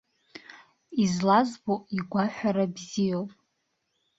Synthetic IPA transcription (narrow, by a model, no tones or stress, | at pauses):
izlazboiɡʷaħʷᶣaɾabzijowpʼ